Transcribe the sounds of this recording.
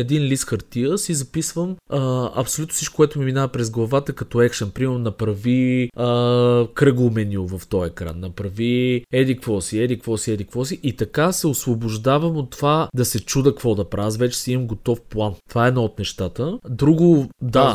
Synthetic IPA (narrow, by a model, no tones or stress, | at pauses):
ɛd̪inlisxɐɾt̪iəsizɐpisvəməɐ̰psolʲut̪nʊsit͡ʃko̥kːʊɛt̪ʊmiminavəpɾɛzɡlˠɐvat̪əkɐt̪ɔɛkʃənpɾimɛɾnonɐpɾɐviəkɾɤɡlˠʊmɛnʲiʊvɐft̪ɔjɛkɾa̰nːɐpɾɐviɛd̪ikvɔsiɛd̪ikvɔsiɛd̪ikvɔsiʔit̪ɐkasɛosvobʊʒd̪avəmot̪ːovad̪ɐsɛt͡ʃud̪əkvɔd̪ɐpɾasvɛt͡ʃɛ̥simɐmɡot̪ɔfplˠant̪ovaɛd̪nɔot̪nɛʃt̪at̪əd̪ɾuɡʊd̪a